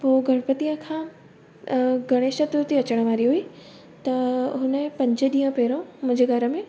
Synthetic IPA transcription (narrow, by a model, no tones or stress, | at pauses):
poːɡʱɐɽ̃pət̪ijə̃kʰãː | ɡʱɐɽ̃eːʃət̪ɾuɾt̪iɐt͡ɕəɽ̃əʋaːɾiɦui | t̪ɐɦʊnə̃pɐ̃ɲd͡ʑəɗiːə̃peːɾõmʊ̃ːɲd͡ʑeɡaɾəmẽ